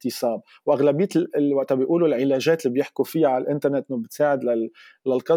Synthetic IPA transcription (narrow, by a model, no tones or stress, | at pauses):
t̪ɪsˤɑːb̚ | wʔaɣlabijːt̪waʔt̪abɪjʔuːlulʕɪlæːʒeːt̪lːiːbjɪħkufijaʕalalʔɪnt̪ɑɾnet̪ːʔnːbɪt̪saːʕɪd̪la | lalqɑ